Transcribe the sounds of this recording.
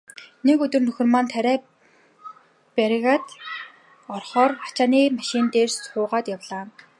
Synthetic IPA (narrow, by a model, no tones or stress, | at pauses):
nekɵt̪ɵ̆rnɵxɪ̆rmant̪ʰæɾʲæː | pæɾʲɪɣat̪ | ɔrχɔːrḁt͡ɕaːniːmaʃint̪eːrsχʊːʁaːt̪jawɮaː